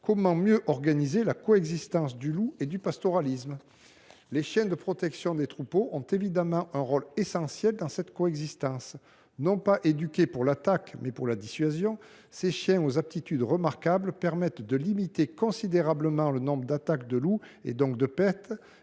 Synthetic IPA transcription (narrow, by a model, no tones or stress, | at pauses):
kɔmɑ̃mjøʔɔʁɡanizelakɔɛɡzist̪ɑ̃sd̪ylued̪ypast̪ɔʁalism | leʃjɛ̃d̪əpχɔt̪ɛksjɔ̃d̪et̪χupoʔɔ̃t̪evid̪amɑ̃ʔɛ̃ʁɔlesɑ̃sjɛld̪ɑ̃sɛt̪kɔɛɡzist̪ɑ̃s | nɔ̃paʔed̪ykʲepuʁlat̪akmɛpuʁlad̪isɥazjɔ̃ | seʃjɛ̃ozap̚t̪it̪yd̪ʁəmaʁkabləpɛʁmɛt̪d̪əlimit̪ekɔ̃sid̪eʁabləmɑ̃lənɔ̃bʁəd̪at̪akd̪əlu | ḛd̪ɔ̃k̚d̪əpɛʁt̪